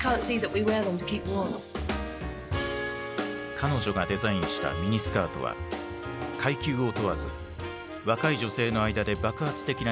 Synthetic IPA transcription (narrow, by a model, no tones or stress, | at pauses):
kʰɑ̃ːˑntsiːðəʔwiwɛːðə̃mtʰə̥kʰiˑp̚ɔ̃ːn̰ | kʰano̞ʑo̞ɡad̪e̞zaĩɰ̃ɕi̥t̪a̰mʲiɲ̟isɨ̥kaːt̪o̞̰βa̰ | kʰaikʲɨːo̞t̪o̞βazɨ̰ | βakaiʑo̞se̞ːno̞aid̪ad̪e̞bakɯ̟hat͡sɨ̥t̪e̞kʲina